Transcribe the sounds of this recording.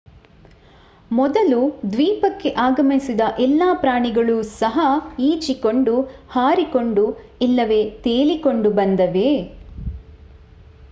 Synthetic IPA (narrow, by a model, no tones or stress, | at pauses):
mɔd̪ɐlud̪ʋiːpɐkːe̞ʔaːɡɐmisid̪ɐʔɛlːaːpɾaːɳiɡɐɭusɐɦɐiːt͡ʃikoɳɖuhaːɾiko̞ɳɖu | ilːɐʋe̞ːt̪eːliko̞ɳɖubɐnd̪ɐʋe̞